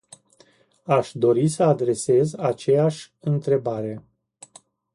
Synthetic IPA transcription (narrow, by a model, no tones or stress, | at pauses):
aʃd̪o̞ɾisəad̪ɾe̞se̞zat͡ʃe̞jaʃʲ | ɨnt̪ɾe̞baɾe̞